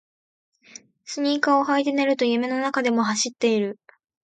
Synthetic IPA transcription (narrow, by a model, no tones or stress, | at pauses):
sɨɲ̟iːkao̞ɦait̪̬eneɾɯ̟t̪o̞jɯ̟me̞no̞nakad̪e̞mo̞ɦaɕit̪ːe̞iɾɯ̟